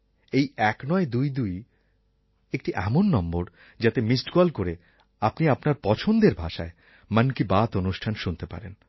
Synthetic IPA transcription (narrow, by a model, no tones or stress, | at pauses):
ejɛknɔed̪ujd̪uj | ek̚ʈiʔɛmonːɔmboɾ | d͡ʑat̪emisʈɡalkoɾe | apniapnaɾpɔt͡ɕʰond̪eɾbʱaʃa̰e | mankibat̪onuʃʈʰanʃunt̪epa̰ɾen